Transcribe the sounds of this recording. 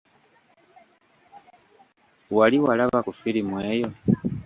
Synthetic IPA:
waliwalaβakufilimweːjo

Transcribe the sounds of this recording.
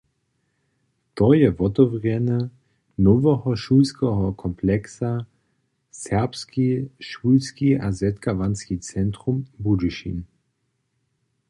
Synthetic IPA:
t̪ɔjɛvɔtɔvʁjɛnə | nɔvəɦɔʃuːlskəɦɔkʰɔmplɛksa | sɛɐpskiʃuːlskiazɛt̪kavanskit͡sɛnt̪ʁumbudiʃḭn

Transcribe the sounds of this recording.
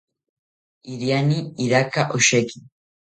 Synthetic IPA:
iɾianiiɾakaʔoʃekin

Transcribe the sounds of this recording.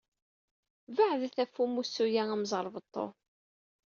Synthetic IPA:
vaʕðæθæfːumusːujææmzˤəɾˤvət̪ˤːo̰

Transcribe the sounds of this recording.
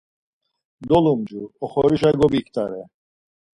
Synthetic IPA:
d̪ɔlumd͡ʒuɔχɔɾiʃaɡɔbikʰt̪ʰʼaɾɛ

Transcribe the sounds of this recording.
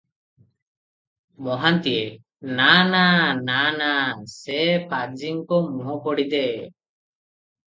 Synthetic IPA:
mɔɦant̪ije | nanananasɛpad͡ʒiŋkɔmuɦɔpɔɽid̪ɛ

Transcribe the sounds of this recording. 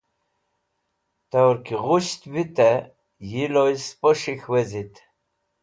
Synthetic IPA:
t̪awɾkiʁuʃt̪bit̪ɛ | jilojspəʂixwezit̪

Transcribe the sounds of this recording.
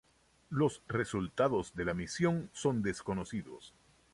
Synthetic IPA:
lo̞sre̞sult̪aðo̞zðe̞lamisjo̞nso̞nd̪esko̞nosiðo̰s

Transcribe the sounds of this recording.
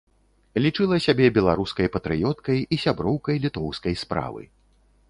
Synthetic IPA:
lʲit͡ʂɨlˠɐsʲabʲɛbʲɛlˠaɾuskɐjpɐt̪ɾɨjɔt̪kɐjisʲabɾɔwkɐjlʲit̪ɔwskɐjspɾa̰vɨ̰

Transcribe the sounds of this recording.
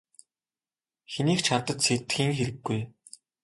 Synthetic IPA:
xeniːkt͡ɕʰat̪ə̆t̪set̪xiːŋxeɾɘ̆ɡːuj

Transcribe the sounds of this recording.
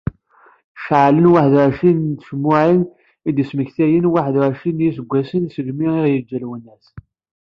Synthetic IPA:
ʃʕlənwaħðʃint̪ə̥ʒmːʊʕin | id̪əsməçθæjənwaħðʃinjisəɡʷːæsənisəʒmiiʁjəd͡ʒːælwənːæs

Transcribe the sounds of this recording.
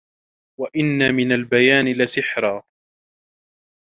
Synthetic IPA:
waʔɪnːamɪnalbajaːnɪlasɪħɾˤaː

